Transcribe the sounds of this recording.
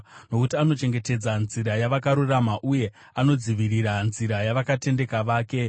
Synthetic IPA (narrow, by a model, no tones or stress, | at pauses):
no̞kutiano̞t͡ʃe̞ŋɡe̞te̞d͡zanziɾajaʋakaɾuramaʔuje̞ | ano̞d͡ziʋiriranziɾajaʋakate̞nde̞kaʋaːke̞